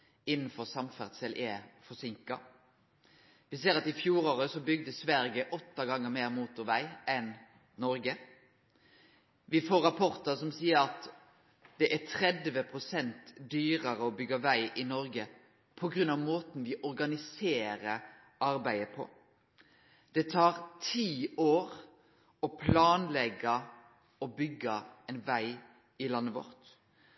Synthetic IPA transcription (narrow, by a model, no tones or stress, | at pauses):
ɪnn̩fɔɾsɑmfæʁd̪sɛlʔɛfɔsɪŋkɑ | ʋɪseːɾɑt̪ɪfjuːɾoːɾəsɔbʏɡ̚d̪əsʋæɾɡəʔɔt̪ːɑɡɑŋːəmeːɾmuːt̪ʊʋæɪɛn | nɔɾɡə | ʋɪfoːɾɑpʰɔɾt̪əsɔmsiːəɾɑt̪ | d̪̥ɛʔæt̪ʰɾɛd̪ʋəpʰʁʊsɛnt̪d̪yːʁəɾəɔbʏɡːəʋæɪʔɪnɔɾɡə | pʰɔɡɾʉnɑʋmoːt̪n̩ʋɪʔɔɾɡɑnɪseːɾə | ɑɾbæɪəpʰɔ̰ | d̪̥ɛt̪ʰɑːɾt̪ʰiːoːʁ | ɔpʰlɑːnlɛɡə | ɔbʏɡːəɛnʋæɪ | ɪlɑnːəʋɔ̰ɾt̪